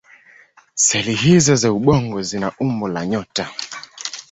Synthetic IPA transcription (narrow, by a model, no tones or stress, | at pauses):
sɛlihizɔzauɓɔŋɡɔzinaʔumbɔlaɲɔta